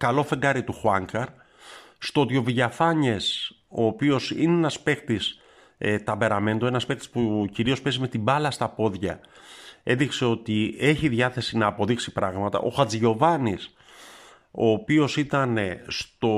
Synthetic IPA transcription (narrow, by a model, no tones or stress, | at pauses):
kɐlo̞fe̞ŋɡɐɾit̪uxwɐŋkɐɾ | st̪oot̪io̞viʝɐfɐɲes | o̞ːpio̞sḭneenɐspe̞kt̪is | t̪ɐbe̞ɾɐme̞nd̪oenɐspe̞kt̪i̥spuciɾio̞spezime̞t̪ibɐlɐst̪ɐpo̞ðʝɐ | e̞nðikse̞o̞t̪ie̞çiðʝɐθe̞sinɐːpo̞ðiksipɾɐɣmɐt̪ɐ̰ʔo̞̰xɐt͡sʝo̞vɐnis | o̞ːpio̞sit̪ɐnest̪o̞